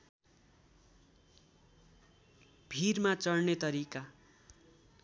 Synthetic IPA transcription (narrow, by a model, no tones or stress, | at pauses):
b̥ʱirmat͡sʌrnet̪ʌɾika